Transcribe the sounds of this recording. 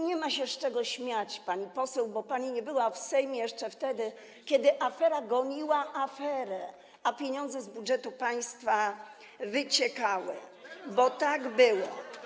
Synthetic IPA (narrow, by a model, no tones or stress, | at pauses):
ɲɛmaɕɛʂt͡ʂɛɡɔɕmʲjat͡ɕpaɲipɔsɛwbɔpaɲiɲɛbɘwafsɛjmʲjɛʂt͡ʂɛft̪ɛd̪ɘ | kʲɛd̪ɘʔafɛɾaɡɔɲiwaʔafɛɾɛ | apʲjeɲɔnd̪zɛzbudʐɛt̪upaj̃st̪fa | vɘt͡ɕɛkawɘ̰bɔt̪aɡbɘwɔ̰